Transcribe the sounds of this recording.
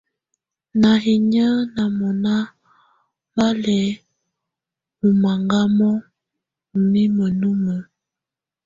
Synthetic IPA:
na˨hi˨ɲə˦na˨mɔ˨na˦ | ba˦lɛ˨˦ | mu˨ma˨ŋɡa˦mɔ˦˨ | mi˦mə˨nu˦mə˨

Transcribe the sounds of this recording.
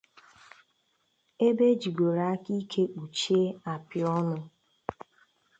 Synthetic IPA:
e˦be˦d͡ʒi˨ɡo˨ɾa˦ki˦kʰe˦k͡pu˨t͡ʃe˦a˨pɪ˨ɔ˦nʊ˦

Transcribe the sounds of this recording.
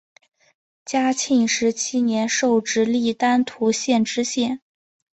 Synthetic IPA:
t͡ɕja˥t͡ɕʰi˥˩ŋʂɻ̩˧˥t͡ɕʰi˥njɛ˧˥nʂo˥˩ʊʈ͡ʂɻ̩˥li˥˩t̪a˥nt̪ʰu˧˥ɕjɛ˥˩nʈ͡ʂɻ̩˥ɕjɛ˥˩n

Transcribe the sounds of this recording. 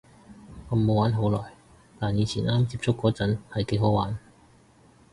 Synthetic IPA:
ŋ˨˧˩mo˨˧waː˨˥nɦo˨˥wlɔː˨˩j | t̪aː˨njiː˨˧t͡sʰiː˨˩naː˥mt͡siː˧p̚t͡sʰʊ˥kːɔː˨˥t͡sɐ˨˥nhɐ˨˩jke˨˥jɦo˨˥waː˨˥n

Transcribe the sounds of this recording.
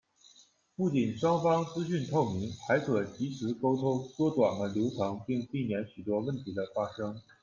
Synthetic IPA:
pu˥˩t͡ɕi˨˩nʂwɑ˥ŋfɑ˥ŋt͡sɹ̩˥ɕy˥˧nt̪ʰo˥˩ʊmi˧˥ŋxa˧˥ɪkʰɤ˨˩t͡ɕʰi˧˥ʂʰɻ̩˧˥ko˥ʊt̪ʰo˥ʊt̪wɔ˥t̪wa̰˨˩nlə˦ljo˧˥ʊt̪ʰɑ˧˥ŋpi˥˧ŋpi˥˩njɛ˧˥nɕy˨˩t̪wɔ˥wə˥˩nt̪ʰi˧˥d̪ə˧fa˥ʂɤ˥ŋ

